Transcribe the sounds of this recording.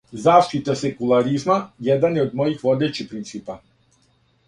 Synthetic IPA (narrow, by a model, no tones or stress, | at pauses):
zaːʃt̪it̪asekulˠaɾizmajed̪anjeod̪mo̞jixʋo̞d̪e̞t͡ɕipɾint̪siːpa